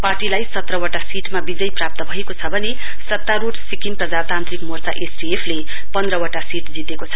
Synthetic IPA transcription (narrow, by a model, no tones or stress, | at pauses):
parʈilajsʌt̪rʌwaʈasiʈmabid͡zʌjprap̚t̪ʌbʱʌekot͡sʰʌbʱʌne | sʌt̪ːaɾuʈsikinprʌd͡zat̪ant̪rikmort͡saʔesdiepʰle | pʌnd̪ɾʌwaʈasiʈd͡zit̪ekot͡sʰʌ